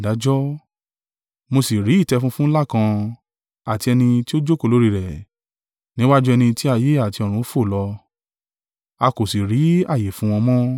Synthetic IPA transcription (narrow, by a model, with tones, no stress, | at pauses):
da˨˦d͡ʒɔ˦ | mo˧si˨ɾi˨˦i˦˨tɛ˧fũ˧˦fũ˦la˦˨kã˧ | a˨ti˧ɛ˧nĩ˧ti˦o˦d͡ʒo˦ko˧˨lo˨˦ɾi˧ɾɛ˨ | nĩ˦wa˦d͡ʒu˦ɛ˧nĩ˧ti˦a˧je˦a˦˨ti˧ɔ˨ɾ̃ũ˧˦fo˦˨lɔ˧ | a˧ko˨si˨ɾi˨˦a˦˨je˨fũ˨˦w̃ɔ̃˧mɔ̃˦